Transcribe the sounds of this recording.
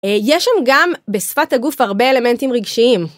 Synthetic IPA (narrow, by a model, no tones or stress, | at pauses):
jeʃamɡambesfathaɡufaʁbe̞ele̞me̞ntimʁiɡʃiim